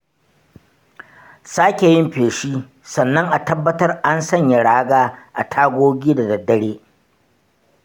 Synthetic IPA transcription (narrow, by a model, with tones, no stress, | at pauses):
saː˦kʲe˨jɪ˦mɸeː˨ʃiː˦ | sɐ˨nːɐ˦ŋʔa˨tɐ˦bːɐ˦tɐ˦rʔa˦nsɐ˦˨ɲja˨ɽaː˦ɡaː˦ʔa̰˨tʰaː˦ɡʷoː˦ɡʲiː˦da˨dɐ˨dːɐ˦ɽeː˦